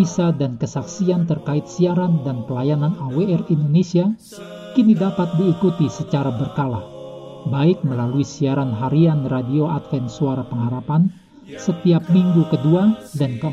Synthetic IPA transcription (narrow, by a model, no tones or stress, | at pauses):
isadankəsaksiant̪ərkaɪt̪̚siaɾandanpəlajananaweɛrindonesia | kinidapat̪̚diːkut̪isət͡ʃaɾabərkala̰hbaɪk̚məlaluisiaɾanɦaɾianradioat̪fɛnsuaɾapəŋɦaɾapan | sət̪iap̚miŋɡukəduadankə